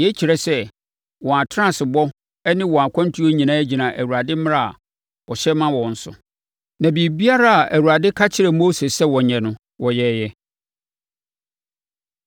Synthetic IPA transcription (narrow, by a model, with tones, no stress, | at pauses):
jɛ˦t͡ɕʰi˨ɾɛ˨sɛ˦ | wɔ̃˨a˨tʰɾã˦˨sɪ˨bɔ˦ | ɛ˦nɪ̃˦wɔ̃˨a˨kʰã˦n˦tʰu˦o˦ɲĩ˨nãː˦æ˦d͡ʑi˨nã˨ʔæ˨wu˨ɾa˨dɪ˦m̃˦ɾa˦a̰˨ | wɔ˨ɕɛ˦mã˦wɔ̃˨n̩˨sʊ̰˨ | nã˨bi˨bi˦a˦ɾa˦a˨ʔæ˨wu˨ɾa˨dɪ˦kʰa˦t͡ɕʰɪ˦ɾɛ˨mo˦se˨sɛ˦wɔ˨ɲɛ̃˨nʊ̃˦ | wɔ˨jɛ˦jɛ˦